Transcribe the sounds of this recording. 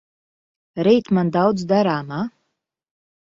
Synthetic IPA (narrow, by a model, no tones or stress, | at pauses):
ɾɛjt̪mand̪awd̪zd̪aɾaːma